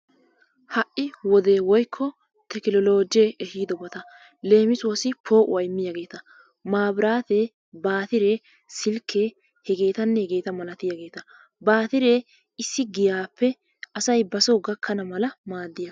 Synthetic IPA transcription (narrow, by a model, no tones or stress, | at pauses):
hɐʔːɪwɔd̪e̞ːwɔjkʰːɔ | t̪ɛkɪlɔlo̞ːd͡ʒeʔɛhiːd̪ɔbɐt̪ɐ | le̞ːmɪsʊwɐsɪpʰo̞ːʔʊ̰ɐjɪmːɪjaɡe̞ːt̪ɐ | maːbɪɾaːt̪e | baːt̪ɪɾe | sɪlkʰːeː | hɛɡe̞ːt̪ɐnːɛhɛɡe̞ːt̪ɐmɐlɐt̪ɪjaɡe̞ːt̪ɐ | baːt̪ɪɾeː | ɪsːɪɡɪjaːpːɛ | ʔɐsɐjbɐsɔɡɐkʰːɐnɐmɐlɐmaːd̪ːɪjɐ